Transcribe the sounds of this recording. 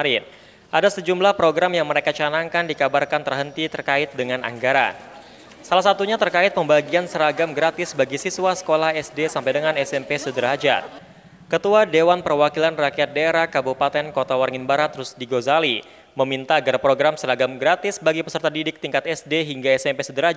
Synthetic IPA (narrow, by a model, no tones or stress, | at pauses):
ɾɪn | ʔadasəd͡ʒumlahpɾoɡɾamjaŋməɾekat͡ʃanaŋkandikabarkant̪ərɦənt̪it̪ərkaɪt̪̚dəŋana̰ŋɡaɾa̰n | salahsat̪uɲat̪ərkaɪt̪̚məmbaɡiansəɾaɡamɡɾat̪ɪsbaɡisiswasə̥kolahɛsdesampajdəŋanɛsɛmpesədəɾad͡ʒa̰ | kət̪uadewanpərwakilanrakiat̪̚deɾakabupat̪ɛnkot̪awarŋɪnbaɾat̪ːɾʊsdiɡozali | məmint̪aːɡarpɾoɡɾamsəɾaɡamɡɾat̪ɪsbaɡipəsərt̪adidɪk̚t̪iŋkat̪ɛsdeɦiŋɡaɛsɛmpesədəɾa